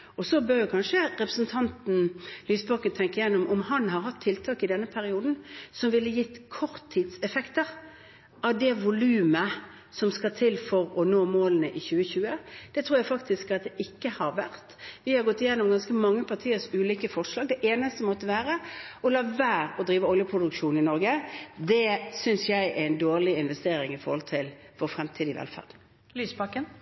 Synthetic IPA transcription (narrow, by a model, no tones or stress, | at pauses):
ɔsɔbœɾjʊkʰɑnʂəɾɛpɾəsn̩t̪ʰɑnt̪n̩lyːsbɑkənt̪ʰɛŋkəɪjɛnːʊmʔɔmhɑnɦɑɾɦɑt̪ʰːɪlt̪ʰɑːkɪd̪ɛnːəpʰæɾɪuːd̪n̩sɔmʋɪlːəjɪt̪ːkʰɔʁt̪ʰːid̪sɛfɛkt̪əɾ | ɑʋd̪ɛʋʊlʉːmə | sɔmskɑt̪ʰɪlfɔɾɔnoːmoːlənəʔɪçʉːəçʉːəd̪̥ɛt̪ʰɾuːɾjæɪfɑkt̪ɪskɑt̪̚d̪ɛʔɪkːəhɑɾʋæ̰ʁt̪ʋɪhɑɾɡɔt̪ːɪjenːɔmɡɑnskəmɑŋːəpʰɑʁt̪ʰiːəɾsʉːliːkəfɔʂlɑːɡ̚d̪ɛʔeːnəst̪əmɔt̪ːəʋæːɾəɔlɑːʋæːɾɔd̪ɾiːʋəɔljəpʰɾʊd̪ʉkʂuːnɪnɔɾɡəd̪ɛsʏnsjæɪʔɛɪnd̪oːʁlɪɪnʋɛst̪eːɾɪŋɪfɔɾhɔlt̪ʰɪl | fɔɾfɾɛmt̪ʰiːd̪ɪʋɛ̰lfæ̰ʁd̪ | lyːspɑkːən